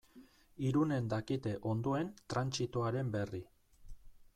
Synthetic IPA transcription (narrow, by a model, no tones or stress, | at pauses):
iɾune̞nd̪akit̪e̞ʔo̞nd̪oe̞nt̪ɾant͡sit̪oaɾe̞mbe̞ri